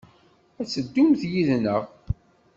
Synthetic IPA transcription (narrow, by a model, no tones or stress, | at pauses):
æt͡sːəd̪ːumθjiðnəʁ